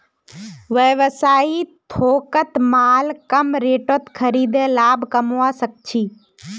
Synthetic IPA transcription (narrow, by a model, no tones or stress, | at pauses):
ʋəʋəsaːit̪ʰoːkət̪maːlkəmɾeːʈot̪kʰəɾiːd̪ẽːlaːbkəmʋaːsək̚t͡ʃʰiː